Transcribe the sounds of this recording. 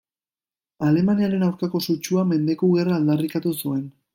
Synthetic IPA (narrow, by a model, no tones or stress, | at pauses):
ale̞maniaɾe̞nawɾkako̞sut͡ʃuame̞nd̪e̞kuɣe̞raːld̪arikat̪usue̞n